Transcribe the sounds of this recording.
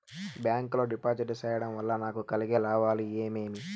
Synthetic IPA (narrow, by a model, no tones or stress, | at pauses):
bjaːŋklo̞ːɖipaːd͡ʒiʈt͡ʃɛːjɐɽɐmʋɐlːɐnaːkukɐliɡelaːʋaːlieːmeːmi